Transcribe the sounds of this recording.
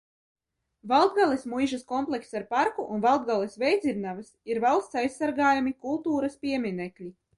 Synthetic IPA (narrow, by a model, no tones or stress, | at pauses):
valˠd̪̚ɡalˠismujʒaskɔmplˠɛksaɾpaɾkuʔunvalˠd̪̚ɡalˠɛsvʲɛjd̪ziɾnavɨsiɾvalˠst̪sajsːaɾɡaːjamikulˠt̪uːɾɐspʲiɛmʲinɛklʲi